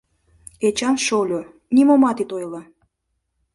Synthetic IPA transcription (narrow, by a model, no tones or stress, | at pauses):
et͡ɕɑnʃolʲo | nimomɑt̪it̪ojlɑ